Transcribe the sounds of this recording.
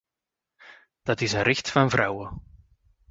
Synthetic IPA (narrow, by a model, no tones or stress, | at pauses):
d̥ɑtɪsənɾɪxtfɑnvɾʌwə